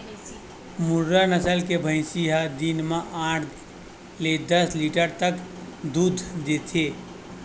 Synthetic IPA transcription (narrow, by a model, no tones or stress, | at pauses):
muɾːanəsəlkebʱə̃ɪ̃siɦad̪inmeʔãʈʰ | led̪əsliʈəɾt̪əkd̪ud̪ʱd̪et̪ʰe